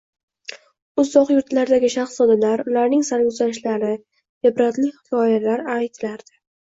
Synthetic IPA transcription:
ʊzɒqjʊɾt̪laɾd̪aɡʲɪʃaχszɒd̪alaɾʊlaɾnɪŋsaɾʊzaʃlaɾɪ | ɪbɾat̪lɪχɪkʲʰɒjalaɾajt̪ʰɪlaɾd̪̥ɪ̥

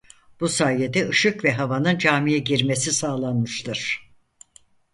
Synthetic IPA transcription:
b̥usaːjed̪ɛɯʃɯkvɛɦavanɯnd͡ʒaːmijɛɟiɾme̞sisaːlˠanmɯʃt̪ʰɯɾ̥

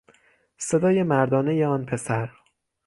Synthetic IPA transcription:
se̞d̪ɒːje̞mæɾd̪ɒːne̞jeɒːnpʰe̞sæɾ

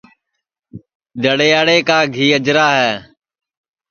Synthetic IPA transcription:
d̪əɽeːaːɽeːkaːɡʱiːəd͡ʒɾaːɦɛː

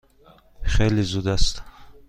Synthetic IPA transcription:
χelizud̪ast̪

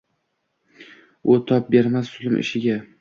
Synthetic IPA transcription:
ʊt̪ʰɒp̚be̞ɾmasːʊlˠɪmʔɪ̰ʃɪɡʲa

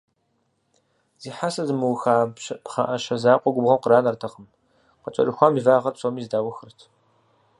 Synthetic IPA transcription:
z̥iːħasɐzɨmɨwxaːbɕɐχa̰ʔɐʃɐzaːqʷʼɔɡʷʊbʁɐmqəɾaːnɐrtʰɐχəm | qət͡ʃʼɐ̰rɨxʷaːmivaːʁɐrpsʼoːmiːzdaːwɐxɨrɨtʰ

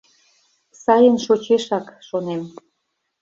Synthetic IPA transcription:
sɑjənʃot͡ɕeʃɑkʃonem

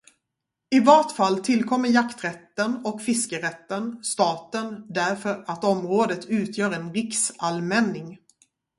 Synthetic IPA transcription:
ɪvɑːʈfalːt̪ʰɪlkʰɔmːəɾjakt̪ɾɛt̪ːənɔkfɪskəɾɛt̪ːənst̪ɑːt̪ənd̪æɾfœɾat̪ɔmɾoːd̪ət̪ʰʉ̟ːt̪ʰjœːɾɛnɾɪksalmɛnːɪŋ

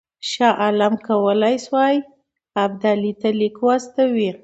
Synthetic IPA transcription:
ʃɑʔalamkawəlajswɑj | ab̚d̪alit̪alikwast̪awi

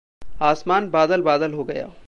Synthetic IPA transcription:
aːsmaːnbaːd̪əlbaːd̪əlɦoɡɐja̰ː

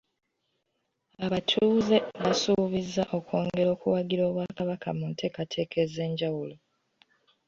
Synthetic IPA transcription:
aβatʰuːze̞βasuβizːaʔo̞ko̞ːŋɡe̞ɾo̞ːkṵwaɡiɾo̞ːβwaːkaβaka̰muntʰe̞ːkatʰe̞ːkʰe̞ze̞ːɲɟawulo̞

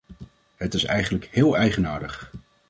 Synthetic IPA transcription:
ɦətɪsɛ̰jχənləkhɪːlˠɛjχənaːɹdəχ

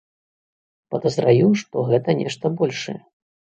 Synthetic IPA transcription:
pɐd̪ɐzɾajuʂt̪ɔɣɛt̪ɐnʲɛ̰ʂt̪ɐbɔlʲʂɐ̰jɛ

